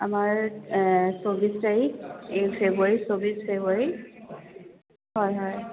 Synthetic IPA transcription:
amaɹ | sobistaiefʰeboaɹisobisfʰebaɹi | hɔjɦɔj

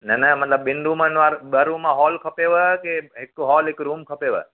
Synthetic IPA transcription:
nənəmət̪ləbːɪnd̪umãnʋaɾbəɾũmãɦɔlkʰəpeʋəkeekɦɔlekɾumkʰəpeʋə̰

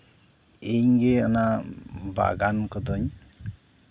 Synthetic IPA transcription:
ejŋɡeanaba̰ɡankɔd̪ɔɲ

